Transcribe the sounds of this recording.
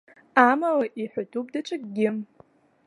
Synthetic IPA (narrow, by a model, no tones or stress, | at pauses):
amalaʔiħʷatʰup̚dat͡ʃʷʰaɡɡʲɪm